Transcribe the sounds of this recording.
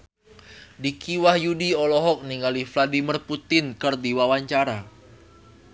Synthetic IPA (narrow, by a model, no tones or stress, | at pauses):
dikiwahjudiɔlɔɦɔk̚niŋalifladimirput̪ɪnkɨrdiwawaɲt͡ʃaɾa